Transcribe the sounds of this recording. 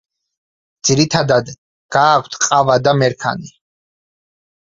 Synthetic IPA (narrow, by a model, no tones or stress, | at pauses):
d̪̥z̥iɾit̪ʰad̪ad̪ | ɡ̥aːkʷʰt̪ʰqʼavad̪amɛɾkʰa̰ni